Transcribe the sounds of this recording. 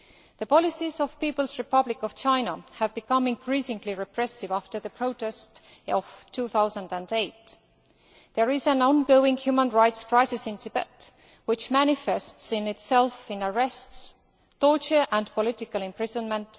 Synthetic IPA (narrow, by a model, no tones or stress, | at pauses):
ðəpɔlɪsizɔv̥pipəl̩ˠsɹɪpʌblɪkɔv̥t͡ʃʰãɪnəhævbikʌ̃mɪ̃nkʰɹ̥isɪ̃ŋɡliɹɛpʰɹ̥ɛsɪvæftə˞ðəpʰɹ̥oʊtɛst | ɔv̥tʰuːθaʊzə̃ndæ̃ndeɪt | ðəɹɪzæ̃nɔ̃nɡoʊɪ̃ŋhjuːmə̃nɹajtskɹ̥aɪsɪsɪ̃ntʰɨbɛ̰t | wɪt͡ʃmænɪfɛstsɪ̃nɪtsɛlfɪ̃nəɹɛsts | toɹt͡ʃə˞ʔæ̃ndpolɪtɪkəlɛ̃mpɹ̥ɪzə̃nmə̃nt